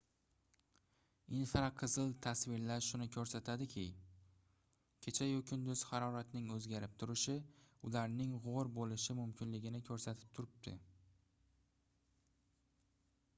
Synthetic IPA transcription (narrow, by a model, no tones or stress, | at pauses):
ɪnfɾaqʰɨzɨlˠt̪ʰasvɪɾlaɾʃʊnɪkʲʰɵɾsat̪ʰad̪ɪkʲʰɪ | kʲʰe̞t͡ʃʰajokʲʰʊnd̪ʊz̥hɑɾɒɾat̪nɪŋɵzɡʲaɾɪp̚t̪ʰʊɾɪʃɪʊlaɾnɪŋʁoɾbolɪʃɪmʊmkʲʰɪnlɪɡʲɪnɪkʰɵɾsat̪ʰɪ̥p̚t̪ʰʊɾɪp̚t̪ʰɪ̰